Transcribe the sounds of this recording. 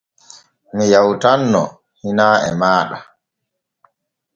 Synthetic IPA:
mijawtanːɔ̰ | hinaːɛ̰maːɗa

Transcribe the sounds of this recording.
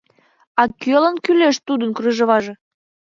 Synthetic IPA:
ɑkølənkyleʃt̪ud̪ənkryʒə̆βɑʒe

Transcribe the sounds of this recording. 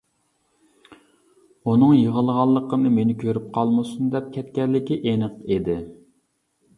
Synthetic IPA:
unɨŋjəʁəlˠʁɑlˠːəqʰəmnɨmenɪkʲʰøɾyp̚qʰɑlˠmɨsund̪ɛp̚kʲʰɛt̪kʲɛɾlːɪkʲiʔenəqed̪ɪ

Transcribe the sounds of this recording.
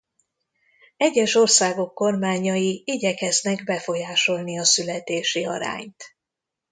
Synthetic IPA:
ɛɟːɛʃo̞rsaːɡo̞kːo̞rmaːɲɒjiiɟɛkɛznɛɡbɛfo̞jaːʃo̞lniɒsylɛt̪eːʃiɒ̰ɾa̰ːɲt̪

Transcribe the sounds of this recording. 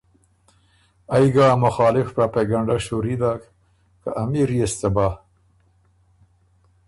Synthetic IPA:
ajɡamʊxɑːlɪfpɾapeɡaɳɖaʃoɾid̪ak | kaʔamiɾijest̪aba

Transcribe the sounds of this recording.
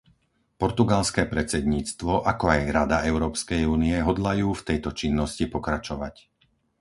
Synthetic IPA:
pɔɾt̪uɡalskɛːpɾɛt͡sɛd̪ɲiːt͡st̪ʋɔʔakɔajɾad̪aɛʊɾɔːpskɛjuːniɛɦɔd̪lajuːft̪ɛjt̪ɔt͡ʃinːɔscipɔkɾat͡ʃɔʋac

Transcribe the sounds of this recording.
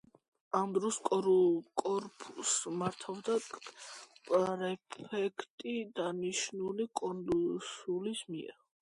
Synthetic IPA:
amd̪ɾɔskʼɔkʼɔɾpʰʼusmaɾt̪ʰavd̪a | pʼɾɛpʰɛkʰt̪ʼid̪aniʃnulikʼɔnlsulismiɛ̰ɾ

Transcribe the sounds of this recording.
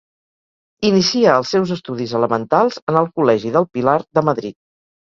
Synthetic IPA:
inisiəəlˠsːɛwzəst̪uðizələmənt̪alˠzənəlˠkulɛʒiðəlˠpilaɾðəməðɾit̪̚

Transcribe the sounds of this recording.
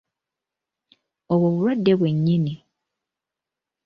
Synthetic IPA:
oβwoβuɾwadːe̞βwe̞ɲːini

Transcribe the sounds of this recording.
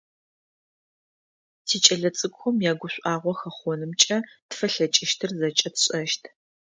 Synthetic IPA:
tʰiːt͡ʃʼɐɮɐt͡sʼɨkʷʼxʷʊmjaːɡʷʊɕʷʼaːʁʷɔxɐχʷɔnɨmt͡ʃʼɐtfɐɬɐt͡ʃʼɪʃtʰɨrzɐt͡ʃʼɐtʰɕʼɐʃtʰ

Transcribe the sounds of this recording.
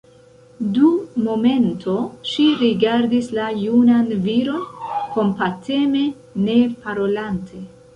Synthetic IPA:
dumo̞me̞ntʰo̞ʃiɾiɡaɾdislajunanviɾo̞nko̞mpate̞me̞ | ne̞paɾo̞lantʰe̞

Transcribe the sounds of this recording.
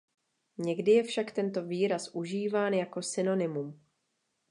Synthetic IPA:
ɲɛɡdɪjɛfʃakt̪ɛnt̪o̞viːɾasʔuʒiːvaːnjako̞sɪno̞nɪmum

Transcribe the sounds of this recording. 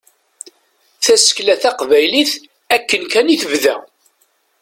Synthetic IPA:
θæsə̥klæθæqvæjliθ | ækːənkæniθəvðæ

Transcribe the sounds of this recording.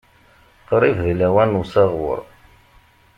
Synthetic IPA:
qɾˤivðlæwænusɑʁwə̰ɾˤ

